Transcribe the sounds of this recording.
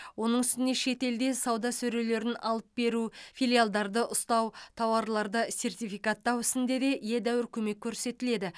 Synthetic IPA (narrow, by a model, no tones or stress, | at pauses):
wo̞nəɴʏst̪ɪne̞ʃe̞t̪e̞ld̪e̞sɑwd̪ɑsɵɾele̞ɾɪnɑ̰lˠəp̚be̞ɾufijlʲˠijalˠd̪ɑɾd̪əʔʊst̪ɑwt̪ʰɑwɑɾlˠɑɾd̪əse̞rt̪ijfijkat̪ːɑwʏsɪnd̪e̞d̪e̞ʔje̞d̪æwɪɾkʲʰɵme̞kʲʰːɵɾse̞t̪ɪle̞d̪ɪ